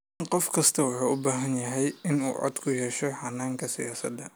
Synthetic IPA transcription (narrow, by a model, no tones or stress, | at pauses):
qɔfkʰɐst̪ʰɐwɑħuːʊbaːɦɐnjɐɦɛjɪnṵːʕɔ̰d̪kʰʊjɛːʃɔħɑnːaːŋkʰɐsɪ̰jaːsɐ̰d̪ɐ